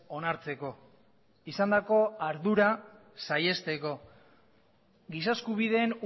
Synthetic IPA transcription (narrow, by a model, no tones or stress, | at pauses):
o̞naɾt͡se̞ko̞ | isand̪ako̞aɾðuɾa | saje̞st̪e̞ko̞ | ɡisaskuβ̞ið̞e̞ːn